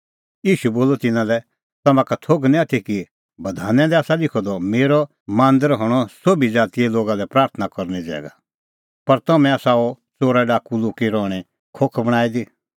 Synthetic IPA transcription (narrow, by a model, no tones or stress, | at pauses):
jiːʃuboːlɔt̪ɪnãlɛ | t̪ɐmãkat̪ʰoɡnĩat̪ʰiki | bɐd̪ʱaːnɛ̃lɛaːsalɪkʰɔd̪ɔmeːɾɔ | mãːnd̪əɾɦɔɽ̃ɔsobid͡zaːt̪iɛloːɡalɛpɾaːɾt̪ʰənakɔɾnid͡zɛ̰ːɡa̰ | pɐɾt̪ɐmɛ̃aːsaɔ | t͡soːɾaɖaːkuloːkiɾɔːɽ̃ɛ | kʰokʰbɐɽ̃aːid̪i